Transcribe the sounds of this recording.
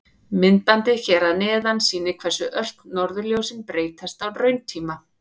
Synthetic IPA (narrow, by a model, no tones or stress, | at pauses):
mɪnt̪ant̪ɪçɛːɾaðnɛːðansiːnɪkʰvɛ̥sʏʔœl̥knɔɾðʏljowsɪnpɾeːjt̪ʰast̪awrœɥnt̪ʰiːma